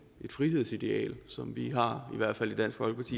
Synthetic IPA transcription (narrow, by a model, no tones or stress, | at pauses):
ʔe̝d̥fʁiɦe̝ð̞̰ˠsid̥e̝ɛ̰ːlsɒ̽mʋiɦɑ̈iʋæɐ̰d̥fæl̰id̥ænsɡ̥fɒ̽lɡ̥əpʰɑ̈t͡sʰḭː